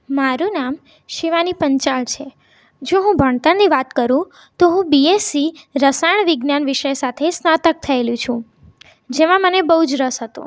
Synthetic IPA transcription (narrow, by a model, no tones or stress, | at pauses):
maɾũnam | ʃiʋanipəɲt͡ʃaɭt͡ʃʰe | d͡ʒoɦũbʱəɳt̪aniʋat̪kəɾũ | t̪oɦũbiesiɾəsaɳʋɪɡnanʋɪʃəjsat̪ʰesnat̪ək̚t̪ʰəeljũt͡ʃʰũ | d͡ʒemãmənebəɦud͡ʒɾəsɦət̪ṵ̃